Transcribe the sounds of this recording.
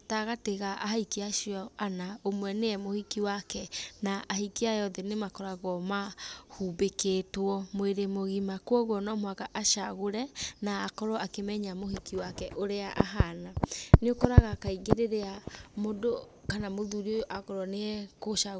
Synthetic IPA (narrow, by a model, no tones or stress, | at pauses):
taɣateɣaʔaɦaikiaʃiɔanaomwɛneɛmohikiwakɛnaʔːhikiajɔðɛnemakɔɾaɣɔmahubeketwɔmoeɾemoɣimakwɔɣwɔnɔmwakaʔaʃaɣoɾɛnaːkɔɾɔakemɛɲamohikiwakɛʔoɾeaʔaɦananeokɔɾaɣakaiɡeɾeɾeamodo | kanamoðuɾioʔakɔɾɔneɛkoʃa